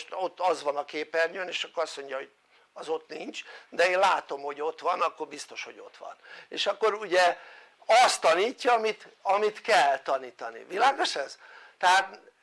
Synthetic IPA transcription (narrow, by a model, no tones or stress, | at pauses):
ʃt̪ot̪ːɒzʋɒnɒkeːpɛrɲøneːʃɒkːoɾɒsmo̞ɲɟɒɦoɟ | ɒzo̞t̪niɲt͡ʃd̪ɛeːnlaːt̪o̞mho̞ɟo̞t̪ʋɒnɒkːo̞rbist̪oʃho̞̰ɟo̞t̪ʋɒ̰nḛːʃɒkːo̞ɾuɟɛ | ɒst̪ɒniːcːɒːmit̪ɒmit̪kɛlt̪ɒniːt̪ɒnḭvilaːɡo̞ʃɛzt̪ɛɦaːt̪